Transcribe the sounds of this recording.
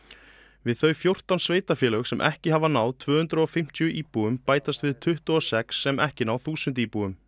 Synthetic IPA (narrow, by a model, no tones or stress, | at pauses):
vɪðθœːɥfjowr̥t̪awnsveːjt̪afjɛːlœxsɛmʔɛ̰hcɪɦavanawðt̪ʰvœːhʏnt̪ɾʏɔfɪm̥t̪ʰjʏʔiːpuɣʏmpaːjt̪ast̪vɪðt̪ʰʏht̪ʏɔsɛksːɛmʔɛhcɪnawθuːsʏnt̪̬iːpuʏm